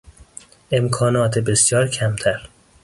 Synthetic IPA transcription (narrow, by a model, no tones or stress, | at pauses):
ʔe̞mkʰɒːnɒːt̪ʰebesjɒːɾcʰæmt̪ʰæɾ